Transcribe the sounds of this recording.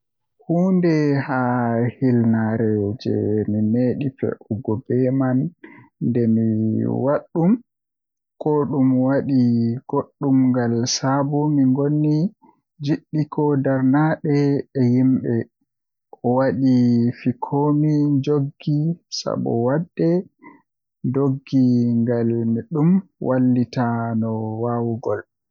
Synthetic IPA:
huːndɛhahilnaɾɛd͡ʒɛ̰mimeɗifɛ̰ʔɔɡɔbɛmanːdɛmiwaɗːum | kʰɔɗumwaɗiɡ̥oɗːumŋɡalsabɔmiŋɡonːi | d͡ʒiɗːikʰɔdaɾnaɗɛːhimɓɛ | ʔɔwaɗifikʰoːmid͡ʒoɡːisa̰ɓɔ̰wadːɛ | doɡːiŋɡalmiɗumwʔalːitanɔwawuɡɔl

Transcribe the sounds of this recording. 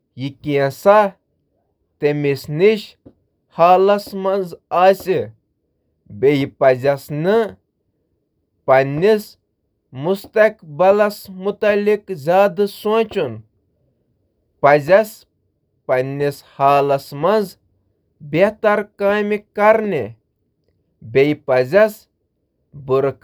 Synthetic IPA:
jikʲiɐ̃sa | t̪emisniʃ | haːlɐsmɐnzaːsi | bejipɐzʲɐsnɨ | pɐnːis | must̪ɐkbɐlɐsmut̪ɐlikzʲaːd̪ɨsõːt͡ʃun | pɐzɐs | pɐnʲːishaːlɐsmɐnz | bet̪ɐɾkaːmikɐɾni | bʲejpɐzɐs | buɾk

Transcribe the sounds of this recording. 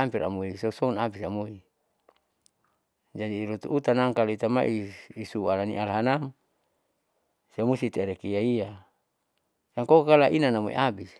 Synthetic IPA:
ampiɾa̰moisosounabisamoi | d͡ʒadiɾot̪ṵʔːt̪anaŋkalit̪ama̰ʔiːsualaniʔalɦanam | siamusit̪eɾekijaia | saŋkokkalaʔinanamo̰ḭʔabis

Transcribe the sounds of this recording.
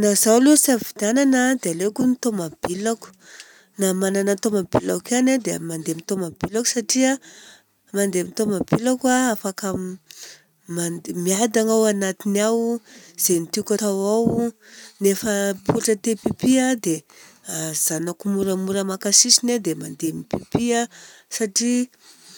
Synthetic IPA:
nazawlusavid̪ananəd̪ealekunit̪omab̥ilaku̥ | namananənt̪omabila̰kanad̪emand̪emit̪omabilaku̥saʈ͡ʂia | mand̪emit̪omabilakwaafaka | mamiad̪aŋawanat̪inawz̥enit̪ikʲat̪awawnefəpʰuʈ͡ʂət̪epipiad̪e | az̥anakumuɾəmuɾəmakasisined̪emand̪emipipiasaʈ͡ʂi

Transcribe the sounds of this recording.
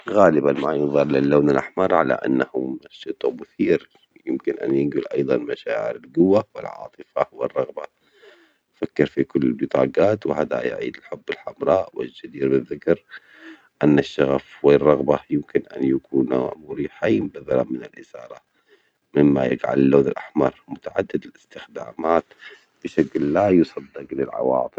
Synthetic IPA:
ɣaːlɪbanmaʕajɑðˤɑɾˤlɪlːaːnalʔaħmɑɾˤʕala̰ʔa̰nːahʊmʃːʊt̪ˤʊmʊθiːɾ | jɪmkɪnʔa̰njɪɡʊlʔɑjðˤɑnmaʃaːʕɪ̰ɾɪlɡʊwːawɪ̰lʕɑ̰ːt̪ˤɨfawɪrˤːɑɣba | fakːɪɾfikʊlːɪlbɨt̪ˤɑ̰ːɡaːt̪wɪhaːd̪a̰j̰ʕḭːd̪ɪlħʊbːɪlħamɾˤɑːʔwɪ̰d͡ʒad̪iːɾbɪðːɪkɾ | ʔanːaʃːaɣafwɪrˤːɑɣbajɪmkɪnʔa̰njakuːna̰mʊɾiːħambaθalanmɪnalʔɪsɑ̰ːɾˤɑ | mɪmːa̰jɪ̰ɡʕa̰lɪlːoːðɪlʔaħmɑɾˤmʊt̪aʕad̪ːɪd̪ɪlʔɪst̪ɪxd̪aːmaːt̪ | b̥ɪʃaklːajʊsˤɑd̪ːɪqlɪlʕɑ̰wɑ̰ːt̪ˤɨ

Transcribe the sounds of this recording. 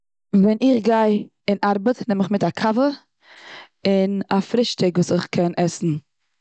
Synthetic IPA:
vɛnɪχɡaɪ | ɪnʔaɾbətnɛməχmɪtakʰavə | ɪnafɾɪʃtɪɡvuːsɪχkʰɛnʔɛsn̩

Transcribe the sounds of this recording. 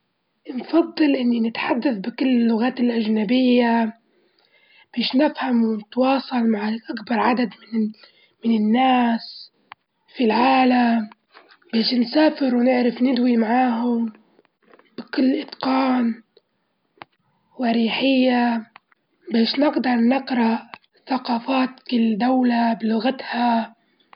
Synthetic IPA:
nfɑd̪ˤːɨlʔɪnːinɪt̪ħad̪ːaθbɪkɪlːɪlːʊɣaːt̪ɪlʔaʒnabɪjːa | b̥eːʃnɪfhamwɪnɪt̪wɑːsˤɑlmaʕʔakbɑɾˤʕad̪ad̪mɪn | mɪnɪnːaːs | filʕaːlam | beːʃnsaːfɪɾwnɪʕɾɪfnɪd̪wimaʕaːɦʊm | b̥ɪkʊlːʔɪt̪qɑːn | waɾiːħɪjːa | beːʃnɪɡd̪ɑɾˤnɪqɾɑʔ | θaqɑːfaːt̪kɪlːd̪awlabɪlʊɣat̪ha

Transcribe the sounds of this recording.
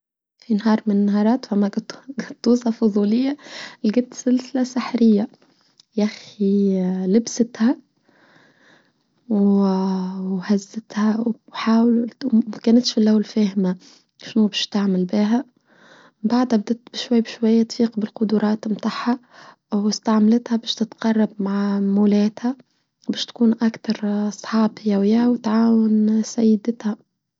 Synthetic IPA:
finɦɑːɾˤmɪnːaɦɑːɾˤɑːt̪fæmːæɡt̪ɡæt̪ːuːsɑfoðˤuːlɪjːæleɡæt̪selsɪlæsaħɾɪjːæ | jæxilɪbsɪt̪hæ | w | whæzːɪt̪hæwħaːwlmækæːnæt̪ʃfilʔæwːælfæːhmæ | ʃnubæːʃt̪aʕmalbiːɦa | baʕd̪hab̚d̪æt̪bɪʃwajːbɪʃwajːat̪fiːqbɪlqʊd̪uɾˤɑːt̪mt̪aħːa | wɪst̪aʕmalɪt̪habæːʃt̪ɪt̪qɑrˤːɑbmaʕmʊleːt̪ha | bæːʃt̪kuːnʔakt̪ɑɾˤɑsˤħɑːbjawɪjawt̪ʕaːwansajːɪd̪ɪt̪ha

